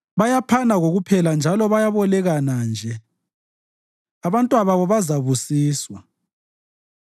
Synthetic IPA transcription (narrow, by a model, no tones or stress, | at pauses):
βajapʰanaɣoɣupʰɛland͡ʒʱalɔβajaβɔlɛɣanand͡ʒʱɛ | aβantʼwaβaβɔβazaβusiːswa